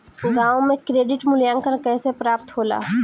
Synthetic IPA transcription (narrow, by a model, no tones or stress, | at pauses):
ɡãːõmẽkɾeːɖɪʈmʊljãːŋkəɾkɛːsepɾaːpt̪ɦoːla̰ː